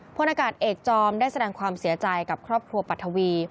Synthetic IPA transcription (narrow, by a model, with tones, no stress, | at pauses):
pʰo˧˥nʔaː˧kaː˨˩t̪̚ʔeː˨˩k̚t͡ɕɔː˧mdaː˥˩jsa˧dɛː˧ŋkʰwaː˧msi˩˦t͡ɕa˧jka˨˩p̚kʰɾɔː˥˩p̚kʰɾu˧ɐpa˨˩t̪ʰːa˧wiː˧